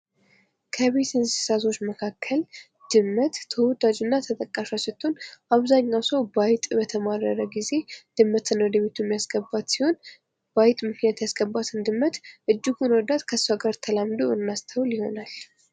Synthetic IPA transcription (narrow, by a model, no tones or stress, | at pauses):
kʰəβe̞t̪ɨnsi̥sat̪ʰo̞t͡ʃːməkʰakʰːəl | d̪̥ɨmːət̪ːʰəwɔd̪ad͡ʒunːat̪ʰət̪ʼəkʼːaʃasɛt̪ʰːonʔaβzaɲːawsəwbajt̪ʼbət̪ʰəmaɾəɾəɡize̞d̪̥ɨmːət̪ʰɨnwɔd̪əβe̞t̪ʰumːijasɡəbːat̪siho̞n | b̥ajt̪ʼmɨknjat̪jasɡəbːat̪ʰɨnd̪ɨmːət̪ʔɨd͡ʒːɪɡunwɔd̪at̪kʰəsːaɡəɾt̪ʰəlamd̪oɨnːast̪ʰəwljiho̞̰nal